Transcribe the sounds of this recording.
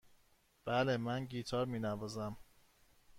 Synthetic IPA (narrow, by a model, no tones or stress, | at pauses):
b̥ælemænɟiːt̪ʰɒːɾmiːnævɒːzæm